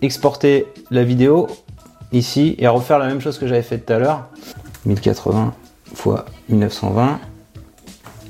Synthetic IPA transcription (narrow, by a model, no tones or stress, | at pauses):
ɛkspɔʁt̪elavid̪eo | isieʁəfɛʁlamɛmʃozkəʒavɛfɛt̪ːut̪alœːʁmilkʲa̰t̪χə̰vɛ̃ | fwa̰milnəfsɑ̰̃vɛ̃